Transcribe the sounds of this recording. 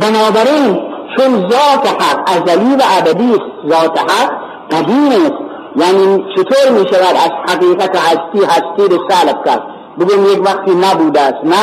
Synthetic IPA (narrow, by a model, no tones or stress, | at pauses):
bɪnɔːbæɾint͡ʃʰunzɔːt̪ʰeħaqazaliːvaʔːd̪abiːst̪zɔːt̪ʰeħaq | ɡad̪iːnest̪ | jaːnit͡ʃʰit̪ʰoːɾmiːʃavad̪azħaqiːqat̪ahast̪iːhast̪iːɾesalbka̰ɾd̪ | buɡoemjekvaqt̪inabuːd̪ast̪na